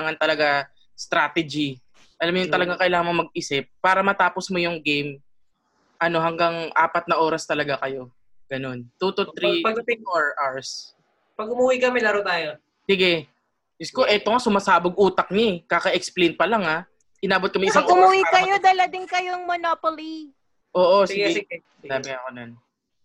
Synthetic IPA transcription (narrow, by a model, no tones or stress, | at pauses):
aŋɐnt̪ɐlɐɡa | st̪ɾaːt̪ɛd͡ʒi | ʔɐlamjʊŋt̪ɐlɐɡaŋkɐʔɪlaːŋɐŋɐŋmɐɡ̚ɪsɪp̚ːaːɾɐmɐt̪aːposmojʊŋɡejm | ʔɐno̞ɦɐŋɡaŋʔaːpɐt̪̚nɐʔo̞ːɾɐst̪ɐlɐɡakɐjo̞ | ɡ̥ɐno̞nt̪ut̪ut̪ɾipɐɡt̪ɪŋoɹʔaɹs | pɐɡ̚ʊmuwikɐmɛlɐɾod̪aːjo | sɪɡɛ | ɪskoʔɛːt̪oŋasʊmasaːboɡ̚ʔuːt̪ɐk̚ɲɐɛkakɐʔɛksplejnpɐlɐŋa | ʔɪnaːbot̪̚kɐmɛŋɪs̬aɐŋʊmuwikɐjod̪ɐlɐd̪ɪŋkɐjoŋmonoːpoli | ʔoːʔo̞sɪɡ | d̪aːmɪɐkonon